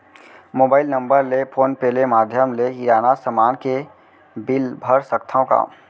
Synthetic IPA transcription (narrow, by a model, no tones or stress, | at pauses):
moːbaːɪlnə̃mbəɾlepʰoːnpɛːlemaːd̪ʱjəmleiɾaːnasəmaːnke | bɪlbʱəɾsək̚t̪ʰõka̰ː